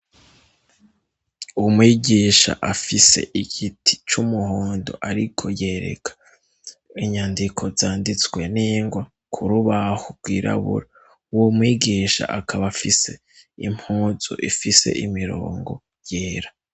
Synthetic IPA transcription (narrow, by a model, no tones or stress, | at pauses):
umwiːɡiːʃa̰ʔafise̞̰ʔiɡ̥itʰi̥t͡ʃumuɦoːndo̰ʔaɾikʰo̞je̞ːɾḛkʰḁ | iɲaːndikʰo̞zaːndit͡swe̞niːŋɡwa | kʰuɾuβahoɾɡwiːɾʔa̰βṵɾa | womwiːɡiːʃa̰ʔakʰaβafise̞ | im̥huːz̥o̰ʔḭfise̞̰ʔimiɾo̰ːŋɡo̞̰ | jeːɾa